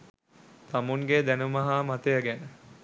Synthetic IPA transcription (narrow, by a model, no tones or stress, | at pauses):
t̪amuŋɡeːd̪ænəməɦaːmat̪ejaɡænə